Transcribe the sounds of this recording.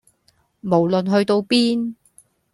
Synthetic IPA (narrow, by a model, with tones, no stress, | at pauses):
mo˨˩wlɵ˨nɦɵ˧ɥt̪o˧wpiː˥n